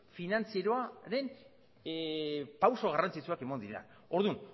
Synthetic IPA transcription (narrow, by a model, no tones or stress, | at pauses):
finant͡sieɾoaɾe̞n | pawso̞ɣarant͡sit͡suake̞mand̪iɾea̰ | o̞ɾðun